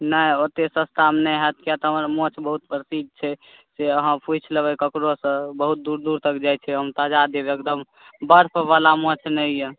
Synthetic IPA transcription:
nəjot̪esə̃st̪ʰamnɛɦɛt̪kijat̪ɦəməɾmõt͡ʃʰbəɦut̪̚pɾsid̪̚t͡ʃʰɛseəɦãpʰut͡ʃʰləbɛkəkɾosə̃bəɦut̪̚d̪uɾd̪uɾt̪əkd͡ʒajt͡ʃʰɛɦəmt̪əd͡ʒad̪ebek̚d̪əm | bəɾpbalamõt͡ʃʰnəje

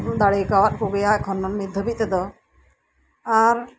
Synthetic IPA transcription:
d̪aɽejkawat̪̚kuɡɔjaʔkʰɔnːɔnmid̪ʱɔbit̪ɛd̪ɔ | aɾ

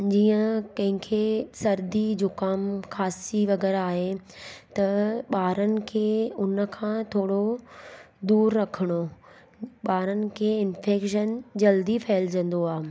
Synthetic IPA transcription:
d͡ʑiːə̃kɐ̃ɦɪ̃kʰeːsɐɾd̪id͡ʑoːkaːmxaːsiʋɐɡɛːɾaːɦet̪ɐɓaːɾənɪ̆kʰeːʊnə̆kʰãt̪ʰoːɽo | d̪uːɾːɐkʰəɽ̃o | ɓaːɾənɪ̆kʰeːɪnfeːkʃənd͡ʑɐld̪ifʰɛːɪld͡ʑɐ̃nd̪oaːɦe

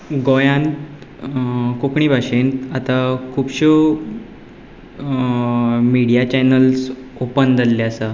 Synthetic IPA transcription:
ɡojãnt̪ | kokɳiːbʱaɕent̪at̪akʰuːbɕo | miɽijat͡ɕɛnəlsopənd̪ʱəlːeasa

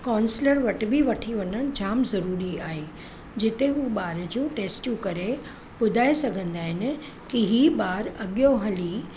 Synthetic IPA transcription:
kaːnsɪləɾʋɐʈbʱiʋɐʈʰiʋɐnənɪ̆d͡ʑʱaːmzɐɾuːɾiaːɦe | d͡ʑɪt̪eɦuːɓaːɾəd͡ʑũʈeːsʈjũkɐɾe | ɓʊd̪ʱaːesɐɡʱə̃nd̪aːɦɪnɪ̆ | kiɦiːɓaːɾɐɠjoɦɐli

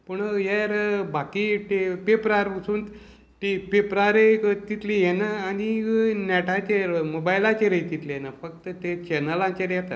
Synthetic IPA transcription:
pəɳjeɾbakiʈepepɾaɾpəsuːn | t̪ipepɾaɾet̪it̪lijenaːninɛʈʰat͡ɕeɾmobailat͡ɕeɾet̪it̪lijenafək̚t̪ət̪et͡ɕɛnəlãɲt͡ɕeɾjɛt̪a

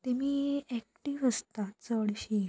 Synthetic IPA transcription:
t̪emiːɛk̚ʈiʋəst̪at͡səɽɕi

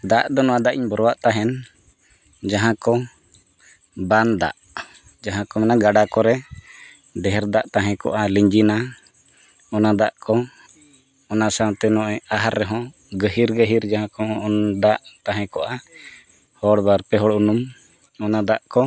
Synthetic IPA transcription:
d̪aʔd̪ɔnɔwãd̪aʔiɲbɔɾɔwaʔt̪aɦɛn | d͡ʒaɦãkɔ | band̪a̰ʔ | d͡ʒaɦãkɔmɛnaɡaɖakɔɾɛ | d̪ɛɦɛɾd̪aʔt̪aɦɛ̃kɔ̰ʔaliɲd͡ʒina | ɔnad̪aʔkʰɔ | ɔnasaw̃t̪ɛnɔʔɔjaɦaɾːɛɦɔ̃ | ɡəɦiɾɡəɦiɾd͡ʒaɦãkɔɔnd̪aʔt̪aɦɛ̃kɔʔa | hɔɽbaɾpɛɦɔɽunum | ɔnad̪aʔkɔ

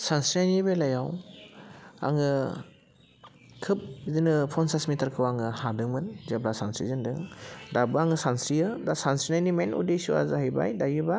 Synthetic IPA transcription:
sansɾinajnibelajaw | a̰ŋɯ | kʰɯp̚zinɯpʰɔnsasmitʰaɾkʰɯwaŋɯhadɯŋmɯnzablasansɾḭzɯndɯŋdabɯaŋɯsansɾijɯdasansɾinajnimenṵdesua̰zaɦɯjba̰jdajɯba

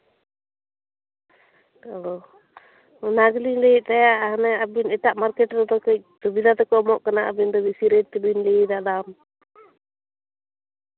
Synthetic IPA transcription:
alɔ | naɡliɲlɛit̪ajaʔahanaabinɛt̪aʔmaɾkɛʈɾɔd̪ɔkɛc̚subid̪at̪ɔkɔmɔʔkanaʔa̰bind̪ɔbisiɾɛt̪ɛbinlɛid̪ad̪aɔn

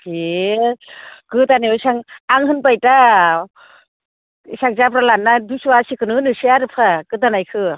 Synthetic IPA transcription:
ke | ɡ̥ɯdanajɔsaŋːŋhɯnbajta | sak̚d͡ʒapɾalanːadusuwasikɯnɯnɯsiaɾɯpʰaɡɯdanajkʰɯ

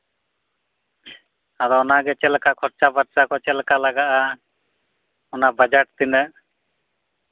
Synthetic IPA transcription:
ad̪ɔːnaɡɛt͡ʃɛlkakʰɔɾt͡ʃabəɾt͡ʃakɔt͡ʃɛlkalaɡaʔa | ɔnabəd͡ʒaʈ̚t̪inə

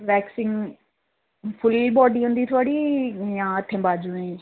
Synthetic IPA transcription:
ʋɛːksɪ̃ŋɡ | fʰʊlbɔːɖiɦũːnd̪it̪ʰoaːɽijãɐt̪ʰːẽbaːd͡ʒũẽ

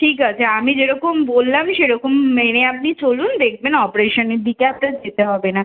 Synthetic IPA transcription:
ʈʰiːkət͡ɕʰeamid͡ʑeɾɔkombolːamʃeɾɔkomːeɽ̃eap̚nit͡ɕolund̪ek̚ʰbenɔpɾeʃəned̪ikeapnad͡ʒet̪eɦɔbena

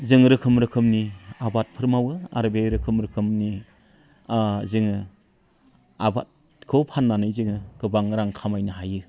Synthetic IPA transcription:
zɯŋɾɯkʰɯmɾɯkʰɯmniabat̚pʰɯɾmawɯa̰ɾbeɾɯkʰɯmɾɯkʰɯmni | zɯŋɯ | aba̰t̚ | kʰɯwpʰanːanɯjzɯŋɯɡ̥ɯbaŋɾaŋkʰamajnɯɦajɯ

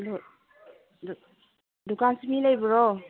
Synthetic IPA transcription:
lɔ | dukʰansimilajbɔɹɔ

